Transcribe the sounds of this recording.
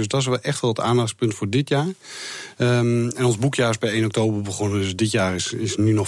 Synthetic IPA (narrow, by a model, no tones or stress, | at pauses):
øsdɔtɪs̬ʋɛlˠʔɛxtʋɔlˠətaːndaxspøntfoːrdɪtjaːr | ɛnɔnzbukjaːɪsbɛjejnɔk̚toːbərbəɣonəøsdɪtjaːrɪsɪsnynɔ